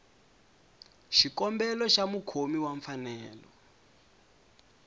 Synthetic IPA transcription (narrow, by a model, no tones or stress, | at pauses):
ʃikɔmbɛlɔʃamukʰomiwaɱfanɛːlɔ